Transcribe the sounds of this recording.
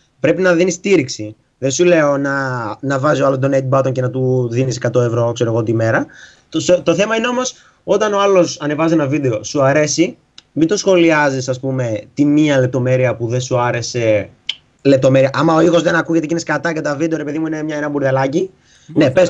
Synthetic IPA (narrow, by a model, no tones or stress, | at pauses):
pɾe̞pinɐðinist̪iɾiksi | ðensule̞o̞nɐnɐvɐzioɐlo̞sd̪o̞nejt̪̚bɐt̪o̞ncenɐt̪uðiniskɐt̪oevɾokseɾoɣo̞t̪ime̞ɾɐ | sot̪o̞θe̞mɐineo̞mo̞s | o̞t̪ɐnoɐlo̞sɐne̞vɐzienɐvid̪eosuɐɾe̞si | mind̪osxo̞liɐzisɐspume̞t̪iniɐlep̚t̪o̞me̞ɾiɐpuðe̞nsuɐɾe̞se̞ | le̞p̚t̪o̞me̞ɾiɐʔɐmɐoixo̞zðenɐkuʝe̞t̪e̞cineskɐt̪ɐcet̪ɐvid̪eɾepe̞ðimuine̞mɲɐenɐbuɾðelɐci | ne̞pes